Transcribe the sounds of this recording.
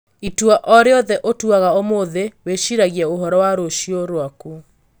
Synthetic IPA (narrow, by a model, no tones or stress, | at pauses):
itwaʔɔɾeɔðɛʔotuaɣaomoðeweʃiɾaɣjɛoɦɔɾɔwaɾoʃioɾwaku